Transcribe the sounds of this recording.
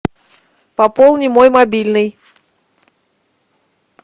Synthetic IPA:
pɐpolˠnʲɪmojmɐbʲilʲnɨj

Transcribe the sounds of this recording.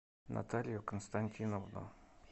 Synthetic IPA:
nʔa̰t̪alʲjʊkənst̪anʲtʲinovno̰

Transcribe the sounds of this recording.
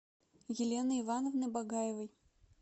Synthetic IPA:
jɪlʲenɨɪvanəvnɨbɐɡajɪvəj

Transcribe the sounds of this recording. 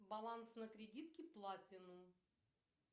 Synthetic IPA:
bɐlˠansnəkɾʲɪdʲit̪̚kʲɪplˠatʲɪnu

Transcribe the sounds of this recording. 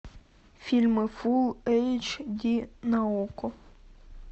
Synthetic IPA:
fʲilʲmɪfulˠɛjt͡ʃd̪ʲinɐɔkɔ

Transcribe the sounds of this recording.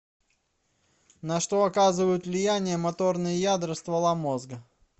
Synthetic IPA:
nɐʂt̪o̞ɐkazɨvəjʊt̪vlʲɪjænʲɪjəmɐt̪o̞rnɨjəjad̪ɾəst̪vɐlˠamo̞zɡə

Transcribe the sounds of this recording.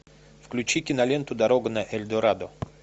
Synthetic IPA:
fklʲʉt͡ɕikʲɪnɐlʲent̪ʊd̪ɐɾoɡʊnɐʔɛlʲd̪oɾad̪o

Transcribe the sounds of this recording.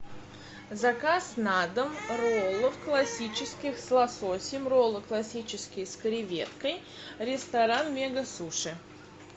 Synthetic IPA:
zɐkasnad̪əmrolˠəfklˠɐsʲit͡ɕɪskʲɪxslˠasosʲɪmrolˠəklˠɐsʲit͡ɕɪskʲɪjskəɾʲɪvʲḛt̪kəj | ɾʲɪst̪ɐɾanmʲeɡəsuʂɨ

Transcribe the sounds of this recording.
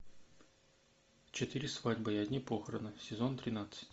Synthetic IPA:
t͡ɕɪt̪ɨɾʲɪsvadʲbəiɐdʲnʲipoxəɾənɨsʲɪzo̞nt̪ɾʲɪnat̪sɨ̥tʲ

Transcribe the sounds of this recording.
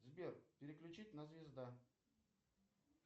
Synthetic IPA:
zbʲerpʲɪɾʲɪklʲʉt͡ɕitʲnɐzvʲɪzd̪a

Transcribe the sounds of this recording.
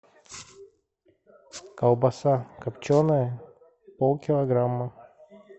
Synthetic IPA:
kɐlˠbɐsakɐpt͡ɕonəjə | polˠkʲɪlˠɐɡɾamːə

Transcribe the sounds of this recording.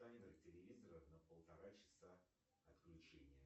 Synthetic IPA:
anʲɪnəktʲɪlʲɪvʲizəɾəfnəpəlˠt̪ɐɾat͡ɕɪ̥sa | ɐt̪klʲʉt͡ɕenʲɪjə

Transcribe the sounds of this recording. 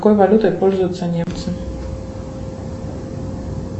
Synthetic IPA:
kojvalʲut̪ɔjpɔlʲzujt̪sanʲɛmt̪sɨn

